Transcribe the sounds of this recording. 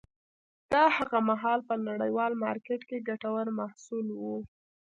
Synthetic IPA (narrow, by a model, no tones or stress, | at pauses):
d̪̥ɑhaɣamaɦɑlpənaɽəjwɑlmɑɾkeʈkeɡaʈawəɾmahsulwu